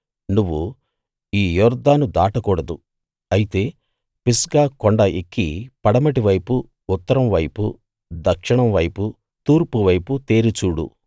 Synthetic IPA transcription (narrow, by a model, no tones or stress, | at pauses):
nuʋːu | iːjɔːɾd̪ʱaːnud̪aːʈɐkuːɽɐd̪u | ɐjit̪e̞ː | pisɡaːkoɳɖɐʔekːipɐɽɐmɐʈiʋɐjpuː | t̪ːɐɾɐmʋɐjpu | d̪ɐkʂiɳɐmʋɐjpu | t̪uːɾpuʋɐjput̪eːɾit͡ʃuːɽṵ